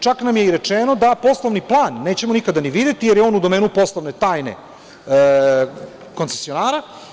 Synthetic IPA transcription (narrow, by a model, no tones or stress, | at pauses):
t͡ʃaknamje̞iɾe̞t͡ʂeːno̞d̪apo̞slˠoʋniplˠaːnːe̞ːt͡ɕe̞monikad̪aniʋid̪et̪ijeɾjeo̞ːnud̪o̞meːnupo̞slˠoʋne̞t̪aːjne̞̰ | ko̞nsesio̞naːɾa